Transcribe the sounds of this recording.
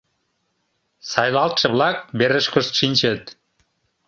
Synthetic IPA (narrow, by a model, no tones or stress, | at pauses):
sɑjlɑlt̪ʃə̆βlɑk̚beɾəʃkəʃt̪ʃinʲt͡ɕət̪̚